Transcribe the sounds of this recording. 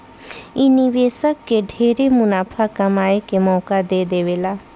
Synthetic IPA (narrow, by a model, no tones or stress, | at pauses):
iniʋeːsəkːeɖʱeːɾemʊnaːpʰakɐmaːekemɔːkad̪eːd̪eːʋeːlaː